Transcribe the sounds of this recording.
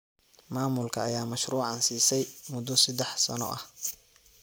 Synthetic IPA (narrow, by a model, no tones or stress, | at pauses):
maːmʊlkʰɐːjaːmɐʃruːʕɑnsiːsɛjmʊd̪ɔsɐd̪ɛħsɐ̰nɔ̰ʔɐh